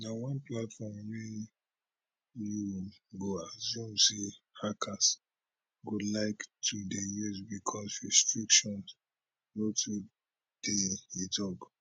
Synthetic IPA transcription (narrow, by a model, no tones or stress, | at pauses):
nawãnplatfɔmme | juɡoazũmsihakʰas | ɡolaɪktʰudejuzbikʰɔsɹɛstɹikʃɔ̃ns | ɡotʰu | d̥eidɔɡ